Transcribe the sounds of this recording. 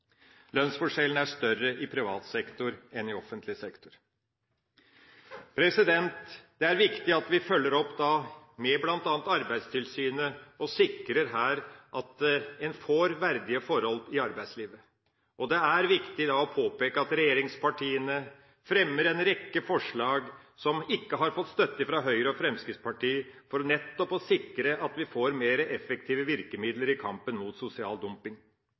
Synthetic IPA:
lœnsfɔʂɛlən̩æʂt̪œrːəʔɪpʰɾɪʋɑ̰ːt̪sɛkt̪ʊɾɛnɪɔfənt̪lɪsɛkt̪ʊɾ | pʰɾɛsɪd̪ɛnt̪d̪̥ɛæɾʋɪkt̪ɪɑt̪ʋɪfœlːəɾɔpːd̪ɑ | mɛblɑnt̪ɑːnt̪ɑɾbæɪd̪st̪ʰɪlsyːnəɔsɪkːɾəɾɦæːɾʔɑt̪̚ɛnfoːɾʋæɾd̪ɪəfɔɾhɔlɪɑɾbæɪsliːʋə | ʔɔd̪ɛæɾʋɪkt̪ɪd̪ɑːɔpʰoːpeːkəɑt̪ɾɛjeːɾɪŋspʰɑʈʰiːənə | fɾɛmːəɾɛnɾɛkːəfɔʂɭɑːɡsɔmɪkːəɦɑɾfɔt̪ːst̪œt̪ːəfɾɑɦœʏɾəɔfɾɛmskɪspʰɑʈiːfɔɾɔnɛt̪ːɔpɔsɪkːɾəʔɑt̪ʋɪfoːɾmeːɾəʔɛfɛk̚t̪ʰiːʋəʋɪɾkəmɪd̪ləɾɪkʰɑ̰mpənmuːt̪sʊsɪɑ̰ːld̪ʉmpɪŋ

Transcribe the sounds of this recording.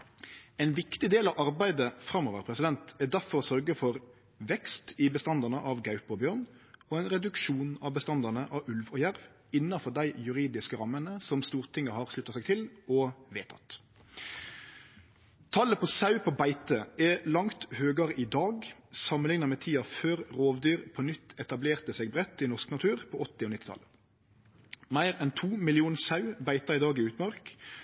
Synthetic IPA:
ɛɪnʋɪkt̪ɪd̪eːlɑʋʔɑɾbæɪd̪əfɾɑmɔːʋəɾpʰɾɛsɪd̪ɛnt̪ɛd̪æɾfɔɾɔsœɾɡəfɔɾ | ʋɛkst̪ɪbəst̪ɑnd̪ɑnəʔɑʋɡɑʉpɔbjøːʁn | ɔɛnɾɛd̪ʉkʃuːnɑʋbəst̪ɑnd̪ɑnəʔɑʉlʋɔjæɾʋ | ɪnːɑfɔʁd̪æɪjʉɾiːd̪ɪskəɾɑmːənəsɔmst̪uːʁt̪ʰɪŋːəhɑɾslʉt̪ːɑsæɪɡt̪ʰɪlɔʋeːt̪ʰɑ̰t̪ | t̪ʰɑləpʰɔsɑʉpʰobæɪt̪əʔɛlɑŋt̪høːɡəʁɪd̪ɑːɡsɑmənɪŋnəʁmɛt̪ʰiːɑføːʁʁoːʋd̪yːʁpʰɔnʏt̪ːɛt̪ɑbleːʁt̪əseːɡ̚bʁɛt̪ːɪnɔsknɑt̪ʰʉːʁpʰɔɔt̪ːɪɔnɪt̪ːɪt̪ʰɑ̰lə | mæɪʁɛnt̪ʰuːmɪlɪuːnsɑʉbæɪt̪ɑʁɪd̪ɑːɡɪʉːt̪mɑʁk

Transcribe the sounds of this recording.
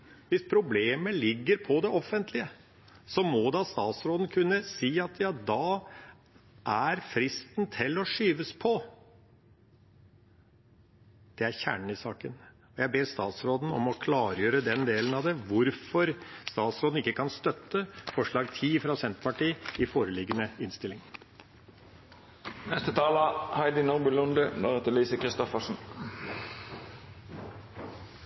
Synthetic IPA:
ʋɪspʰɾʊbleːməɭɪɡːəɾpʰɔd̪ɛʔɔfːənt̪ʰlɪə | sɔmɔd̪ɑst̪ɑːt̪sɾoːd̪ən̩kʰʉnːəsiːɑt̪jɑːd̪ɑ | ʔæɾfɾɪst̪nt̪ʰɪlːɔʂyːʋəspʰɔ | d̪̥ɛæɾçæ̰ːɳɳ̩ɪsɑːkən | ɔjæɪbeːɾst̪ɑ̰ːt̪sɾoːd̪n̩ɔ̰mɔkʰlɑːɾjøːɾəd̪ɛnd̪eːlənɑʋd̪ɛʋʊɾfɔɾst̪ɑːt̪sɾoːd̪n̩ɪkːəkʰɑnst̪œt̪ːəfɔʂɭɑːɡt̪ʰiːfɾɑsɛnt̪pɑʈiːɪfoːɾəlɪɡːənəɪnst̪ɪlːɪŋ | nɛst̪ət̪ʰɑːlɑhæɪd̪ɪnɔʁbʉlʊnd̪ənoːʁət̪əliːsəkʁɪst̪ɔfəʂn̩

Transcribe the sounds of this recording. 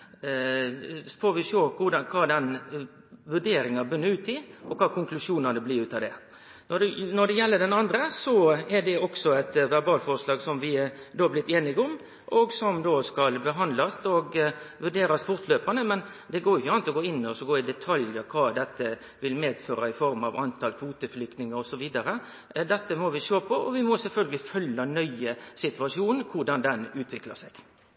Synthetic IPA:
foːʋɪʃoːkʊɖɑnkʰɑːd̪ɛn | ʋʉɖeːɾɪŋɑbʏnːəɾʉːt̪ʰɪʔɔkʰɑːkʰʊŋklʉʂuːnɑnəblɪːɾʉːt̪ɑʋd̪ɛ | ɔnɔɖ̪ɛjɛlːəɖɛnɑnd̪ɾəsɔɛɖɛɔksɔɛt̪ʋæɾbɑːlfɔɾʂlɑːɡsɔmʋɪd̪oːblɪt̪ːeːnɪɡɔm | ʔɔɡsɔmd̪oːskɑlbəɦɑnd̪lɑst̪ɔɡʋʉɖeːɾɑsfʊʁt̪ʰløːpɑnəmɛn | d̪ɛɡoːɾjʊɪçːəɑnt̪ɔɡoːɪnːɔsɔɡoːɪd̪ɛt̪ʰɑljəɾkʰɑːd̪ɛt̪ːə | ʋɪlmeːd̪føːɾɑɪfɔɾmɑ̰ʋɑnt̪ʰɑlkʰʋuːt̪əflʏkt̪nɪŋəɾɔsɔʋiːd̪ɑɾə | d̪ɛt̪ːəmɔʋɪʃoːpʰɔʔɔʋɪmɔsɛlfœlɡəlɪfœlːɑnœʏəsɪt̪ʉɑʂuːnnkʰʊʁɖɑnd̪ɛnʉːt̪ʰʋɪklɑ̰sɛɡ̥

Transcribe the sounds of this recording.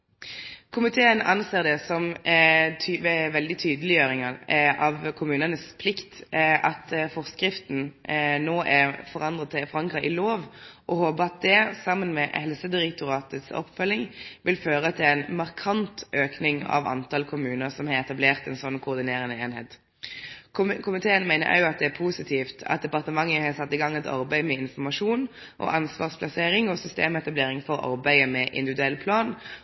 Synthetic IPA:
kʰʊmɪt̪ʰeːənɑnseːʁd̪ɛsɔm | t̪ʰyːʋɛʋɛld̪ɪt̪ʰyːd̪əlɪjøːɾɪŋɑʔɑʋkʰʊmʉːnənəspʰlɪkt̪ʔɑt̪fɔʁskɾɪft̪n̩noːʔɛʁfɔʁɑnd̪ʁətt̪ʰːɪfɔʁɑŋkʁɑʔɪloːʋʔɔhoːbəɑt̪̚d̪ɛsɑmːənmɛhɛlsəd̪ɪʁɛkt̪ʊʁɑːt̪ət̪sɔ̰pːfœlɪŋʋɪlføːʁət̪ʰɪlɛɪnmɑʁkʰɑnt̪ʰøːknɪŋɑ̰ʋɑ̰nt̪ɑlkʰʊmʉːnəɾsɔmhɑɾɛt̪ɑbleːʁt̪ɛnsɔnːkʰʊʁd̪ɪneːɾənəeːnheːt̪ | kʰʊmɪt̪ʰeːənmæɪnəɾʔɑ̰ʉɑt̪̚d̪ɛæɾpʰusɪt̪ʰiːft̪ʰɑ̰t̪̚d̪ɛpɑʁt̪əmɑŋːəhɑsɑt̪ːɪɡɑŋːɛt̪ʰɑ̰ɾbæɪmɛɪnfɔmɑʂuːn | ʔɔ̰ʔɑnsʋɑːʁspʰlɑseːɾɪŋɔsʏst̪eːmɛt̪ɑbleːɾɪŋfɔɾɑ̰ɾbæɪəmɛʔɪ̰nd̪ɪʋɪd̪ʉɛlpʰlɑːn

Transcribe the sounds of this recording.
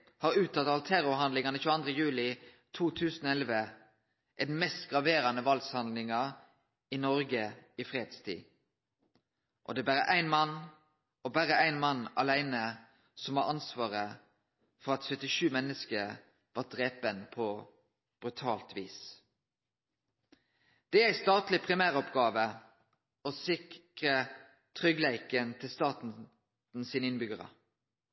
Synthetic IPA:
hɑːɾʉːt̪ʰːɑt̪ɑlt̪ʰæɾʊɾɦɑnd̪lɪŋɑnəʃʉːɑnd̪ʁəjʉːlɪ | t̪ʰuːt̪ʰʉːsənɔɛlʋə | ʔɛd̪nmɛst̪ɡʁɑʋeːɾɑnəʋɑlshɑnd̪lɪŋə | ɪnɔɾɡəɪfʁeːd̪st̪ʰḭː | ʔɔd̪ɛːbæɾə̰ʔæɪnmɑn | ɔbæʁəæɪnmɑnːɑ̰læɪnə | sɔmʋɑɑnsʋɑːʁə | fɔʁɑt̪sœt̪ɪʃʉːmɛnːəskə | ʋɑːd̪̥ʁeːpənpʰɔ | b̥ɾʉt̪ʰɑːlt̪ʋiːs | d̪̥ɛæɾæɪst̪ɑːt̪lɪpʰʁɪmæːʁɔpɡɑːʋə | ɔsɪkʁə | t̪ʰʁʏɡlæɪkənt̪ʰɪlst̪ɑːt̪n̩ | n̩siːnəɪnbʏɡəʁə̰

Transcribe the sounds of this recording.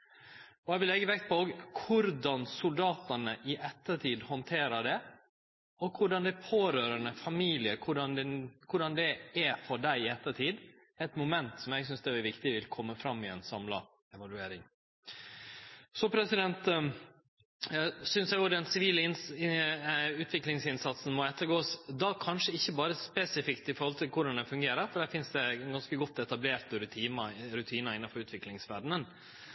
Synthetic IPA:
ɔɛɪʋɪlːɛɡːəʋɛk̚t̪̚pʰɔoːɡkʰʊɾd̪ɑnsʊld̪ɑːt̪ənəʔɪʔɛt̪ːəʈʰiːd̪hɔnt̪ʰeːɾəɖɛ | ɔkʰʊɖɑnd̪ɛpʰoːɾøːɾənəfɑmiːlɪəkʰʊɖɑnd̪ɛnkʰʊɖɑnd̪ɛɛfɔɖæɪɪɛt̪ːəʈʰiːd̪ | ɛt̪mʊmɛnt̪sɔmɛɡsʏnsd̪ɛæʋɪkt̪ɪʋɪlkʰɔmːəfɾɑmːɪɛnsɑmlɑ̰ | ɛʋɑlʉeːɾɪŋ | sɔpʰɾɛsɪd̪ɛnt̪ | sʏnsɛɡod̪ɛnsɪʋiːləɪn | ʉːt̪ʰʋɪklɪŋsɪnsɑt̪sən̩mɔɛt̪ːəɾɡoːsd̪ɑkʰɑnʂəɪçːəbɑːɾəspɛsɪfɪkt̪ɪfɔɾhɔlt̪ʰɪlkʰʊɖɑnd̪ɛfʉŋɡeːɾəɾfɔɖ̪æːɾfɪnsd̪ɛɡɑnskəɡɔt̪ːɛt̪ɑbleːɾt̪əɾʉt̪ʰiːnɑɾʉt̪ʰiːnɑɪnːɑfɔɾʉːt̪ʋɪklɪŋsʋæɖɳən

